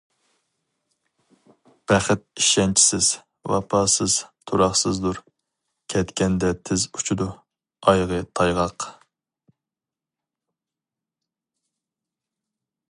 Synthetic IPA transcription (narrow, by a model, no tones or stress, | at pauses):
b̥æχɪt̪̚iʃɛnt͡ʃʰi̥sɪz̥ | wɑ̰pʰɑːsɨz̥t̪ʰuɾɑχsɨzd̪uɾ | kʲʰɛt̪kʲɛnd̪ɛt̪ʰɪzu̥t͡ʃʰud̪u | ɑjʁət̪ʰɑjʁɑq